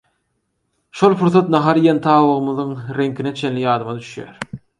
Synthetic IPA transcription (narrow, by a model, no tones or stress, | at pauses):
ʃolˠpuɾθɑt̪nɑɦɑɾijent̪ʰɑːwɯʁɯmɯðɯŋɾe̞ŋkʰinet͡ʃʰe̞nlijɑːd̪ɯmɑd̪yʃjæ̰ːɾ